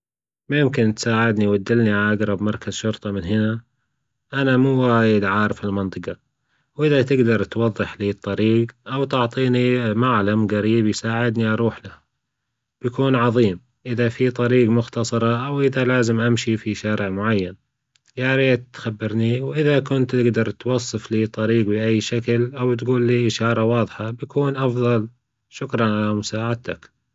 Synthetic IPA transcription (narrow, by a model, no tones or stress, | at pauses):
mʊjɪmkɪnt̪saːʕɪd̪niwad̪ːɪlniʕalaʔaɡɾˤɑbmɑɾˤkazʃʊɾt̪ˤɑmɪnɦɪna | ʔanamuːwaːjɪd̪ʕaːɾɪfɪlmɑnt̪ˤɨqɑ | wʔɪðat̪ɪɡd̪ɑɾˤt̪wɑðˤːɨħliːt̪ˤːɑɾiːɡʔawt̪ʊʕt̪ˤiːnimaʕlamɣaɾiːbjsaːʕɪd̪niʔɑɾˤuːħlaha | b̥jakuːnʕɑðˤiːm | ʔɪðafit̪ˤɑɾiːɡmʊxt̪ɑsˤɑɾˤɑʔawʔɪðalaːzɪmʔamʃifiʃaːɾɪʕmʊʕajːan | jaːɾeːt̪xabːɪɾniwʔɪðakʊnt̪ːɪɡd̪ɑɾˤt̪wɑsˤːɨfliːt̪ˤɑɾiːɡbɪʔajːʃaklʔawt̪ɡuːlːiːʔɪʃɑːɾˤɑwɑːðˤħɑbjakuːnʔɑfðˤɑl | ʃʊkɾˤɑnʕalamʊsaːʕad̪̚t̪ʰak